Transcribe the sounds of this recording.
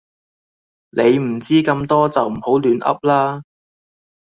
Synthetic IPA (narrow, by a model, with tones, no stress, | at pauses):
nʔe˨˧jm̩˨˩t͡siː˥kɐ˧mt̪ɔː˥t͡sɐ˨wm̩˨˩ho˨˥wlyː˨˥nʔɐ̰˥p̚laː˥